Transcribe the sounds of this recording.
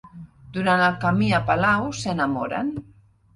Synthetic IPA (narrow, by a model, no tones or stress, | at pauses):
d̪̥uɾanəlˠkamiəpalawsənamoɾə̰n